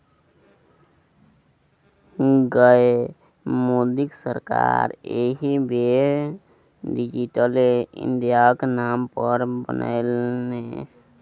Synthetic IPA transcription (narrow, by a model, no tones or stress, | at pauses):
ɡəe | mod̪ɪksəɾka̰ːɾeːɦibe | ɖid͡ʒiʈəleɪ̰̃nɖ̪ijaknaːmpəɾbə̰nə̰lne